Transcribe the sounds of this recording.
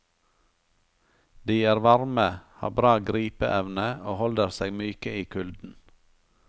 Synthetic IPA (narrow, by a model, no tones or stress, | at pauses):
d̪iːæːɾʋɑɾməhɑ̰ːbɾɑːɡɾiːpəʔɛʋnəoːhɔld̪əɾseːɡmyːkəiːkʰʉld̪n̩